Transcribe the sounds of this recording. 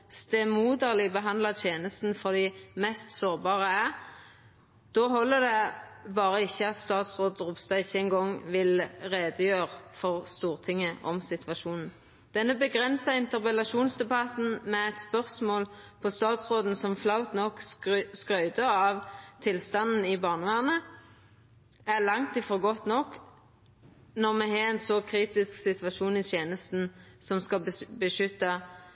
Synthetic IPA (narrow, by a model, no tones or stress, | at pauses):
st̪ɛmuːd̪əʁlɪbəɦɑnd̪lɑt̪ʰjeːnəst̪n̩fɔʁd̪iːmɛst̪soːʁbɑːʁəæʁ | d̪̥oːɦɔlːəd̪ɛbɑːʁəɪçːəɑt̪st̪ɑːt̪sʁoːd̪ʁʊpst̪ɑɪçːəɛŋɡɔŋʋɪlʁeːd̪əjøːʁfɔʁst̪uːʁt̪ʰɪŋːəʔɔmsɪt̪ʰʋɑʃuːnn̩ | d̪̥ɛnːəbəɡʁɛnsɑɪnt̪əʁpəlɑʃuːnsd̪ɛbɑt̪n̩mɛɛt̪spœʁsmoːlpʰɔst̪ɑːt̪sʁoːd̪n̩sɔmflɑʊt̪nɔkskʁœʏd̪əɑʋt̪ʰɪlst̪ɑnn̩ɪbɑːʁnəʋæːʁnə | æʁlɑŋt̪ɪfɔʁɡɔt̪nɔk | nɔʁmɛɦɛːɛnsɔkʰʁiːt̪ɪsksɪt̪ʋɑʃuːnɪt̪ʰjeːnəst̪n̩sɔmskɑbbəʃʏt̪ːɑ